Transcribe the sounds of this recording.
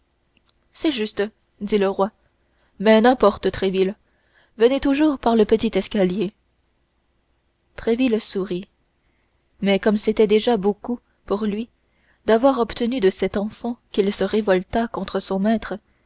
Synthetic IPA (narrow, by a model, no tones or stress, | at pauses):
sɛʒyst̪ | d̪iləʁwa | mɛnɛ̃pɔʁt̪ət̪χɛvil | vənet̪uʒuːʁpaʁləpət̪it̪ɛskalje | t̪χevilsuʁi | mɛkɔmset̪ɛd̪eʒaboku | puʁlɥi | d̪avwaʁɔpt̪ənyd̪əsɛt̪ɑ̃fɑ̃kilsəʁevɔlt̪akɔ̃t̪χəsɔ̃mɛːt̪χə